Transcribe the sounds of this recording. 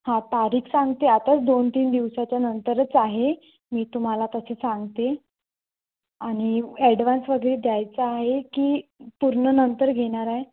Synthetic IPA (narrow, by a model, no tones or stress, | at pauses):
hãt̪aɾiːkʰsãŋɡt̪eat̪at͡sd̪ont̪iːnd̪iʋsat͡ɕjanənt̪əɾət͡saɦe | miːt̪um̤alat̪əsesaŋɡt̪e | aɽ̃iɛɽʋansʋəɡəɭed̪jajt͡səaɦekiːpuɾɳənənt̪əɾɡʱeɽ̃aɾaɦe